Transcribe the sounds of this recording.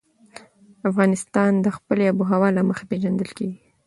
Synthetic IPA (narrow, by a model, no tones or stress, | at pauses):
afɣɑnɪst̪ɑnd̪əxpəleabuɦawɑlaməxḁpeʒand̪əlkeɡi